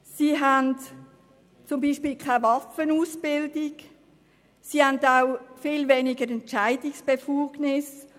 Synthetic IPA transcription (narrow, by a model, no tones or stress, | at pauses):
siːɦant | t͡sʊmbiːʃpiːlkʰaɪvɑfənuːsbɪldɪɡ | sihandaʊfiːlveːnɪɡəɾɛntt͡ʃaɪdɪksb̥efuːɡnɪs